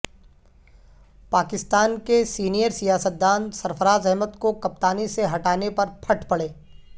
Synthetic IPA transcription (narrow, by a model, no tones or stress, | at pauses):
paːkɪst̪aːnkesiːnijəɾsijaːsət̪̚d̪aːnsɐɾfəɾaːzɛɦmət̪kokɐp̚t̪aːniseɦɐʈaːnepɐɾpʰɐʈʰpɐɽeː